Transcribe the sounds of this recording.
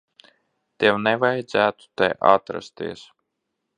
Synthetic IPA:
t̪iɛwnɛvajd̪zæːt̪u̥t̪ɛ̰ʔa̰t̪ɾa̰st̪ḭɛs

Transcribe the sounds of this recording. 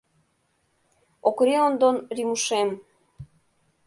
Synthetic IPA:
okɾeond̪onɾimuʃem

